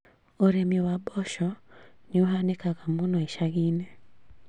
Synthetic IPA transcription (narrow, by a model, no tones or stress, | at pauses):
oɾemiowabɔʃɔneoɦanekaɣamonɔeʃaɣine